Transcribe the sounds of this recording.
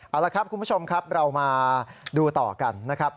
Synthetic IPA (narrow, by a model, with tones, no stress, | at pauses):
ʔaː˨˩laː˧˩kʰɾa˦˥p̚kʰu˧nbʰt͡ɕʰo˧mkʰa˦˥p̚ɾa˧wmaː˧duː˧t̪ɔ̰ː˨˩ka˧nːa˦˥kʰa˦˥p̚